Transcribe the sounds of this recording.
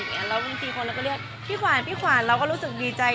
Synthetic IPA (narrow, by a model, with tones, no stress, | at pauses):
a˧˩ɾaː˧wi˧t̪ʰiː˧kʰo˧nɾa˧wkɔ˥˩ɾi˥˩ək̚pʰiː˥˩kʰwaː˨˩˦npʰiː˥˩kʰwaː˨˩˦nɾa˧wkɔː˥˩ɾu˦˥sɯ˨˩k̚diː˧t͡ɕa˧